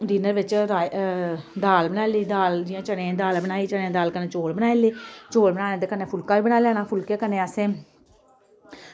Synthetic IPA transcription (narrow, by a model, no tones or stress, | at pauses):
diːnəɾʋɪt͡ʃɾaː | d̪aːlbənaːliːd̪aːld͡ʒiãːt͡ʃəɽeãːd̪aːlbənaːiːt͡ʃəɽeãːd̪aːlkənẽːt͡ʃoːɽbənaːeleːt͡ʃoːlbənaːnẽːd̪ekəneːpʰʊlkãːʋiːbənaːlɛːnãːpʰʊlkeːkənẽːəsẽː